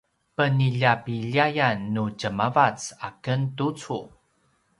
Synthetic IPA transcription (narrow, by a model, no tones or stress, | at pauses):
pəniʎapiʎiajanːucəmavat͡sakəntut͡su